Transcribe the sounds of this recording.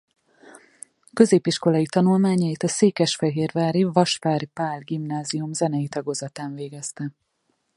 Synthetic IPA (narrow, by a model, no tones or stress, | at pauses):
kø̞zeːpiʃko̞lɒjit̪ɒnulmaːɲɒjit̪ɒseːkɛʃfɛɦeːrvaːɾivɒʃfaːɾipaːlɡimnaːziumzɛnɛjit̪ɒɡoːzɒt̪aːɱveːɡɛst̪ɛ